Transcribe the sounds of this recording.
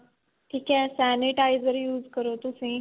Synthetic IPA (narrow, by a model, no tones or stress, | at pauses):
ʈʰiːkasæniʈaɪzəɾjuːzkəɾot̪usẽ